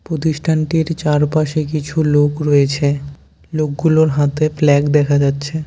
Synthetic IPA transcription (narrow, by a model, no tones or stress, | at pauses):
pɾot̪iʃʈʰaɳʈiɾt͡ɕaɾpaʃekit͡ɕʰulokɾɔet͡ɕʰe | lok̚ɡuloɾɦat̪eflɛɡd̪ɛkʰad͡ʑatːɕʰe